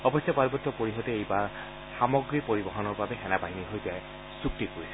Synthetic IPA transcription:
ɔbɔsjapaɹbɔtːɔpoɹiɦɔtɛejbaɹ | xamɔɡɹipoɹibɔɦɔnɔɹbabɛxɛnabaɦiniɦojtijaj | suk̚tikoɹisɛ

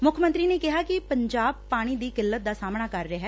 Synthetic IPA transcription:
mʊkʰːmə̃nt̪ɾiːneːkɪɦaːkɪpəɲd͡ʒaːb̚paːɽ̃iːd̪iːkɪlːət̪̚d̪aːsaːmɳ̃aːkəɾːɪɦɛː

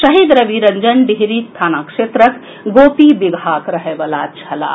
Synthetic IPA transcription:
səɦid̪ɾəbiɾəɲd͡ʒənɖiɦɾist̪ʰaːnakʃet̪ɾək | ɡopibiɡʱakɾəɦebəlat͡ʃʰɐla̰

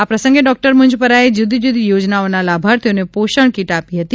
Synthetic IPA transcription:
apɾəsə̃ŋɡeɖɔk̚ʈəɾmʊɲd͡ʒpəɾaed͡ʒud̪ʱid͡ʒud̪ʱijod͡ʒnaonalabʱaɾt̪eonepoʃəɳkiʈapiɦət̪i

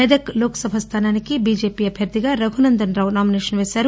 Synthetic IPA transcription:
ɐd̪ɐkloːksɐbʱɐst̪ʰaːnaːnikibiːd͡ʒeːpijɐbʱjɐɾd̪iɡɐɾɐɡʱunɐnd̪ɐnɾaːʋnaːmineːʃɐnʋeːsɐɾ

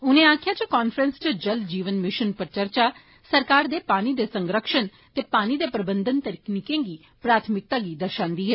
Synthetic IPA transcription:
ʊnẽːaːkʰɪjaːt͡ʃəkaːnfʰɾə̃nst͡ʃəd͡ʒəld͡ʒiːʋənmɪʃənpəɾt͡ʃəɾt͡ʃaː | səɾkaːɾd̪eːpaːniːd̪eːsəŋɡɾəkʃən | t̪eːpaːniːd̪eːpɾəbənd̪ənt̪əɾiːkniːkẽːɡiː | pɾaːt̪ʰmɪk̚t̪ãːɡiːd̪əɾʃãːnd̪iːɦɛː

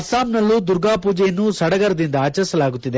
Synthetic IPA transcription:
ɐsaːmnɐlːud̪uɾɡaːpuːd͡ʒɐjɐnːusɐɽɐɡɐɾɐd̪ind̪ɐaːt͡ʃɐɾsɐlaːɡut̪ːid̪e

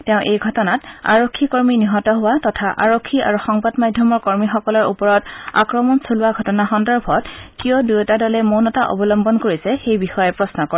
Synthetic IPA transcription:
tɛʊ̃ʔejɡʱɔtɔnata̰ɹokʰːikoɹminiɦɔtɔɦʊwatɔtʰaʔaɹokʰːiʔa̰ɹuxɔŋbadmadʱɔmɔɹkɔɹmixɔkɔlɔɹṵpɔɹɔta̰kɹɔmɔnsʰolʊwaɡʱɔtɔnaxɔndɔɹbʱɔtkijɔdujtadɔlɛmonɔtaʔɔ̰bɔlɔmbɔnkoɹisɛxejbixɔjɛpɹɔsnɔkɔ

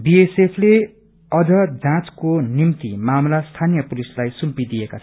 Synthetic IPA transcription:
biesepʰle | ʌd͡zʌd͡zãt͡skonimt̪imamlast̪ʰanijʌpulislajsumpid̪ijekat͡sʰ

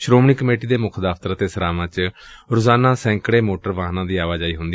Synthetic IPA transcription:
ʃɾoːmɳiːkəmeːʈiːd̪eːmʊkʰd̪aːft̪əɾaːt̪eːsəɾaːʋãːt͡ʃɾʊzaːnaːsɛ̃ːŋkɽeːmoːʈəɾʋaːɦnãːd̪iːaːʋaːd͡ʒaːiːɦʊnd̪i

